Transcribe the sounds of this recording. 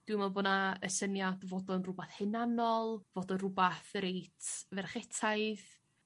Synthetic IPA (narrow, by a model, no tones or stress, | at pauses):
d̥wɪwmɛlˠbɔnaə̰sənjadvodɔnrʊbaθhɨnanɔlˠvodɔnrʊbaθɾejtʰvɛrχɛtʰajð